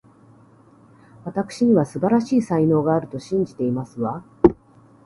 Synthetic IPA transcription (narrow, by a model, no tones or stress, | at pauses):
βat̪akɯ̟̥ɕiɲ̟iβasɨbaɾaɕiːsaino̞ːɡaːɾɯ̟t̪o̞ɕĩɲ̟d͡ʑit̪e̞imasɨβa